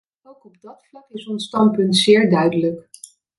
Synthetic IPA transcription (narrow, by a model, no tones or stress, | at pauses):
owkɔb̚dɑtflɑkɪsɔnstɑmpɵntsɪːɹdœɥdələk